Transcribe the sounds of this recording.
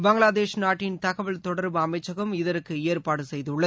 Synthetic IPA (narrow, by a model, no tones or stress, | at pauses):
bɐŋɡɭaːðeːʃnaːʈːɪnt̪ɐɣɐʋɐɭt̪ɔɽɐɾbɯɐmɐɪt͡ʃːɐɣɯmɪðɐɾɯkːɯeːɾpaːɽɯsɛjðɯʊɭːɐð